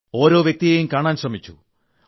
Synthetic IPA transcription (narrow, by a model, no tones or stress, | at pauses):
o̞ːɾo̞ːʋjek̚t̪ijejumkaːɳaːnɕrɐmit͡ɕːṵ